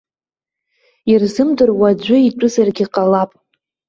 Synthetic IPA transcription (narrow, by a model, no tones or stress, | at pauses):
irzɨmdɨrwad͡ʒʷʊiʈ͡ʂʷʼʊzarɡʲiqʼalapʼ